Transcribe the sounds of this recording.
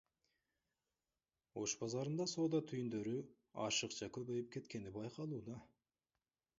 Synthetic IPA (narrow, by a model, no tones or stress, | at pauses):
o̞ʃbɑzɑɾɯnd̪ɑso̞ːd̪ɑt̪ʰyjynd̪ø̞ɾy | ɑ̰ʃɯqt͡ʃʰɑkʰøβøjip̚kʲʰe̞t̪kʲe̞nibɑjqʰɑlˠuːd̪ɑ